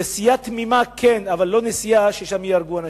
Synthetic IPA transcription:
esijat̪mimakʰenavalːo̞nesijaʃeʃamjeaɾɡuana

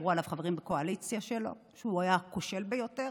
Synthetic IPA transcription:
ʁualavχave̞ʁimbeko̞alit͡sjaʃelo̞̰ | ʃeuajako̞ʃe̞lbejo̞te̞ʁ

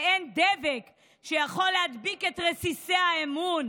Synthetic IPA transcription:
end̪evek | ʃejaχo̞lːehad̪bike̞t̪ʁesisehaemun

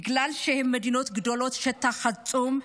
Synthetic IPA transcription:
ɨɡlalʃehmːɐd̪inot̪ɡɨd̪olot̪ʃɐt̪ʰːaxɐt͡sʼum

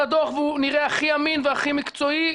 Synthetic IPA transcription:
ad̪oχvuniʁeaχiaminveaχimikt͡so̞i

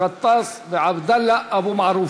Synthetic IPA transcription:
ɑt̪ˤːɑːsˤbɪʕabd̪alːaʔabumaʕɾuː

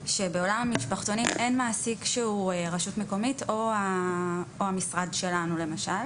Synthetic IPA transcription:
ʃe̞be̞o̞lamamiʃpaχt̪o̞nime̞nmaːsikʃeueʁaʃutmeko̞mito̞a | ohamisʁadʃe̞lanule̞maʃal

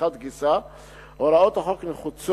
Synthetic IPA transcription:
at̪ɡɪsa | ɔɾaɔt̪aχɔknχut͡s

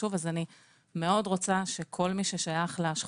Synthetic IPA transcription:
uvazani | meo̞dʁot͡saʃe̞kʰo̞lmiʃeʃajaχleaʃχ

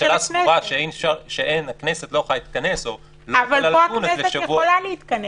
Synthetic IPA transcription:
ʃelasat̪ʃeejnefʃaʁʃeʔenakneset̪looχajit̪̚kɐneso | lavallaloaunesleʃajevuaolaleit̪kɐne

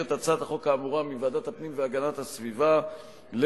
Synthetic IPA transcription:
et̪at͡sat̪aχo̞kaːmuʁamivad̪at̪apnimveaɡanathasviva | l

